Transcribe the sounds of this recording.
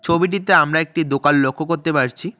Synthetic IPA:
t͡ɕʰobiʈ̬it̪eamɾaek̚ʈid̪okalːokʰːokoɾt̪epaɾt͡ɕʰi

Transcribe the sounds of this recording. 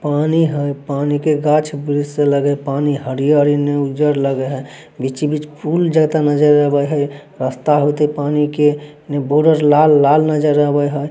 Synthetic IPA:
paniɦəjpanikeɡat͡ʃʰbɾisseləɡəjpaniɦəɾijəɾineud͡ʒəɾləɡəɦəj | bit͡ʃibit͡ʃʰpʰuld͡ʒəɡt̪anəd͡ʒəɾːəɦbəjɦəj | ɾəst̪aɦot̪əpanike | neboɖəɾlalːalnəd͡ʒəɾːəɦbəjɦəj

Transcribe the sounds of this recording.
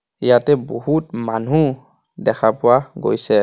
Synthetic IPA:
ijatɛbɔhutmanɦu | dɛkʰapʊwaɡo̰jsɛ

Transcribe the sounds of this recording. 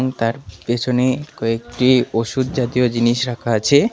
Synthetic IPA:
ŋt̪aɾpet͡ɕʰonekɔek̚ʈioʃud̪̚d͡ʑat̪iod͡ʑiniʃɾakʰaat͡ɕʰe

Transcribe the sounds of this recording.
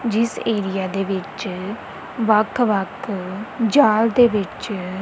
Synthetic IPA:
d͡ʒɪseːɾijaːd̪eːʋɪt͡ʃ | ʋɐkʰːʋɐkʰ | d͡ʒaːld̪eːʋɪt͡ʃ

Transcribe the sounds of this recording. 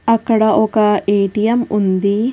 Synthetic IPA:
ɐkːɐɽɐʔɔkɐeːʈijɐmund̪i

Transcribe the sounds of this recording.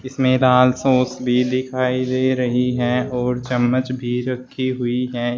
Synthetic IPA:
ɪsmẽlaːlsoːsbʱid̪ɪkʰaːid̪eːɾɐɦiɦɛ̃ɔːɾt͡ʃɐmːət͡ʃbʱiɾɐkʰːiɦʊiɦɛː

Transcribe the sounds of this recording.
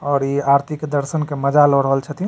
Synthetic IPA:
ɔːɾiaɾt̪ʰikd̪əɾsənkeməd͡ʒalɔɽəɦəlt͡ʃʰət̪i

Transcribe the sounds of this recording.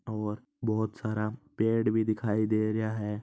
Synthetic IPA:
ɔːɾ | bɔɦʊt̪saːɾapeːɽbʱid̪ɪkʰaːid̪eːɾɐjaɦɛː

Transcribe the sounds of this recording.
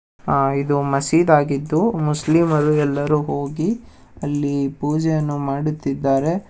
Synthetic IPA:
id̪umɐsiːd̪aːɡid̪ːumuslimɐɾuɛlːɐɾuːɦo̞ːɡi | ɐlːipuːd͡ʒɛjɐnːumaːɽut̪ːid̪ːaːɾe̞

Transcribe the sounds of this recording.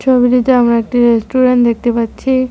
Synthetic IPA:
t͡ʃʰobiɾit̪eamɾaek̚ʈiɾesʈuɾeɳʈd̪ekʰt̪ipatːt͡ʃʰi

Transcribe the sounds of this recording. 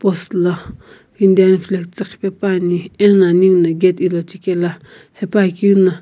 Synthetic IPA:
post̪la | ind̪anflekt͡sakpepanienlaniŋnaɡet̪ilot͡ʃikela | hepakina

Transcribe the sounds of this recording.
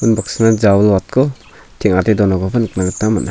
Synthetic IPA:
unbak̚snad͡ʒawlwat̚kʰɔ | tʰiŋatejdɔnaɡɔbɯnɯk̚naɡɯtnamana

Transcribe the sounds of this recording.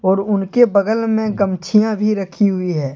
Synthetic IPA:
ɔːɾʊnkebɐɡəlmẽɡəmt͡ʃʰijãbʱiɾɐkʰiɦʊiɦɛː

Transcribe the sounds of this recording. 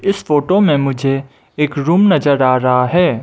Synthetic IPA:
ɪsfoːʈomẽmʊd͡ʒʱe | eːkɾuːmnɐzəɾaːɾɐɦaɦɛː

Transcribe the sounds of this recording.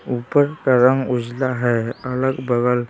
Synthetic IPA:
upəɾkəɾaŋud͡ʒlaɦɛələɡbəɡəl

